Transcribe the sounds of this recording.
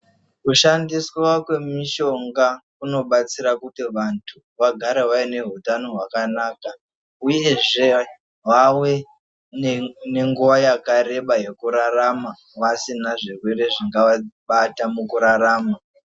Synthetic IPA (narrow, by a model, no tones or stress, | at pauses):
kuʃandiswakwe̞miʃo̞ŋɡakuno̞ɓat͡siɾakutiʋantʰu | ʋaɡʱaɾewaine̞ɦutano̞ɦwakanaːka | uje̞ʐe̞ | wawe̞ | ne̞ŋɡuʋajakaɾe̞ɓaje̞kuɾarama | ʋasinaʐirwe̞ɾe̞ʐiŋɡaʋaɓatamukuɾaraːma